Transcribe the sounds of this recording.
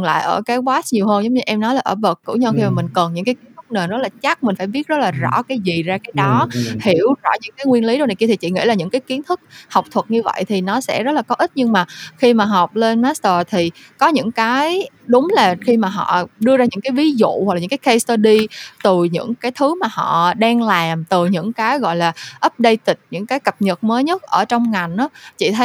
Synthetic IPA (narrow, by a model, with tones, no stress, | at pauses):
nla̰ː˧˨jʔəː˧˩kaː˨˦jɓwaː˦˥sɲi˨˩əwɦəː˧nzə˨˦ŋ͡mɲɨ˧ʔɛ˧mnɔ˨˦jlaː˨˩ʔəː˧˩ɓə˨˩kːɨ̰˧˥wɲə˧wxi˧maː˨˩mï˨˩ŋ̟kə˨˩nɲɨ̰˧˥ŋkaː˨˦jki˨˦ə˦nʰɨ˦˥k̚neː˨˩zə˦˥t̚laː˨˩t͡ɕa˦˥k̚mï˨˩ŋ̟faː˧˩jɓi˦˥ət̚zə˦˥t̚laː˨˩zɔ̰˧˩kaː˨˦jzi˨˩zaː˧kaː˨˦jɗɔ˨˦hi˧˩əwzɔ̰˧˥˩ɲɨ̰˧˥ŋkaː˨˦jŋwi˧ənli˨˦ɗo˧wna˨˩ki˧i˨˩t͡ɕḭ˧˨˩ŋḭ˧˥˨laː˨˩ɲɨ̰˧˥ŋkaː˨˦jki˨˦ənt̪ʰɨ˦˥k̚ha˨˩wk͡p̚t̪ʰwə˨˩t̚ɲɨ˧və̰˧˨jt̪ʰi˨˩nɔ˨˦sɛ̰˧˥zə˦˥t̚laː˨˩kɔ˨˦ʔi˦˥t̚ɲɨ˧ŋmaː˨˩xi˧maː˨˩ɦa˨˩wk͡p̚le˧nmaː˦˥st̪əː˨˩t̪ʰi˨˩ | kɔ˨˦ɲɨ̰˧˥ŋkaː˨˦jɗʊ˨˦ŋ͡mlaː˨˩xi˧maː˨˩ɦɔ̰˧˨ɗɨ˧əzaː˧ɲɨ̰˧˥ŋkaː˨˦jvi˨˦zṵ˧˨w̚lːɨ˧˥ŋkaː˨˦kxa˧st̪əː˧ɗi˧t̪ɨ˨˩ɲɨ̰˧˥ŋkaː˨˦jt̪ʰɨ˨˦maː˨˩hɔ̰˧˨ɗaː˧ŋlaː˨˩mt̪ɨ˨˩ɲɨ̰˧˥ŋkaː˨˦jɣɔ̰˧˨jlaː˨˩ʔə˦˥p̚ɗə˧jt̪ï˨˩t̟̚ɲɨ̰˧˥ŋkaː˨˦jkə˨˩p̚ɲə˨˩t̚məː˨˦jɲə˦˥t̚ʔəː˧˩t͡ɕɔ˧wŋ͡mŋa˨˩jŋ̟ʔaː˨˦t͡ɕḭ˧˨t̪ʰə˨˦